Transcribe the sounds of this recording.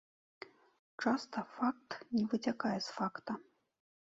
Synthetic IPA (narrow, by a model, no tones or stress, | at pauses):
t͡ʂast̪ɐfak̚t̪nʲɛvɨt͡sʲakajɛsfakt̪ɐ